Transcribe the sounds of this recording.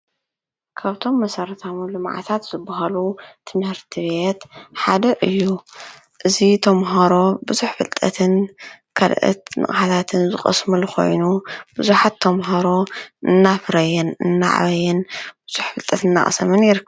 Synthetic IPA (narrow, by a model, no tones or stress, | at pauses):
kʰaβt̪ʰo̞mːɐsɐɾɐt̪ʰamulɨmʕa̰t̪ʰat̪z̥ɨbːaɦalut̪ʰɨmhɨɾt̪ʰiβe̞t̪ħad̪ɐʔɨjːu | ʔɨzit̪ʰɐmɦaɾo̞bɨzuħfɨlt̪ʼɐt̪ʰɨnkʰɐlʔɨ̰t̪nɨ̰χʼħat̪ʰat̪ʰɨnzɨxʼɐ̰smɨlxo̞̰jnub̥ɨzuħat̪ʰːɐmɦaɾo̞ɨnːafɾɐjɛnɨnːa̰ʕa̰βɐjɛnb̥ɨz̥uħfɨlt̪ʼɐt̪ɨnːa̰χʼɐsɐmɨnjɪɾɨkʰː